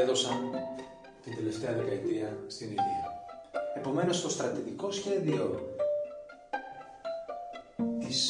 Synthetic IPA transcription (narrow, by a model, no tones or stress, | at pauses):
ðo̞sɐn | t̪ind̪e̞le̞ft̪e̞ɐðe̞kɐet̪iɐst̪iniðiɐ | e̞po̞me̞no̞st̪o̞st̪ɾɐt̪iðiko̞sçe̞ðio̞ | t̪is